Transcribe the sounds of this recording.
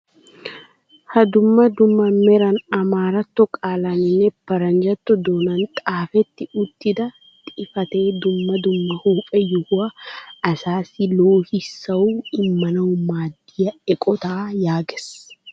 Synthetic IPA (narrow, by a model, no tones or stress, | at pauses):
hɐd̪ʊmːɐd̪ʊmːɐmɛɾɐnɐmaːɾɐt̪ːɔkʼaːlɐnɪnːɛb̥ɐɾɐnd͡ʒɐt̪ːɔd̪oːnɐnt̪ʼaːfɛt̪ːɪʊt̪ːɪd̪ɐ | t̪ʼɪfɐt̪eːd̪ʊmːɐd̪ʊmːɐhuːpʼɛjʊhʊɐɐsaːsɪloːhɪsːɐwuɪmːɐnɐwʊmaːd̪ːɪjɐɛkʼɔt̪aːjaːɡɛs